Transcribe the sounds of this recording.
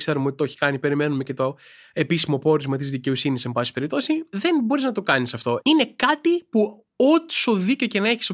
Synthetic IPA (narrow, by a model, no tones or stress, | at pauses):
kse̞ɾumeot̪̚t̪o̞çi̥kɐnipe̞ɾime̞nume̞ce̞t̪o̞ | e̞pisimo̞po̞ɾizmɐt̪izðice̞o̞sinise̞mbɐsi̥pe̞ɾip̚t̪o̞siðe̞nbo̞ɾiznɐt̪okɐnisɐft̪o̞ine̞kɐt̪ipu | o̞t̪i̥so̞ðico̞cenɐeçiso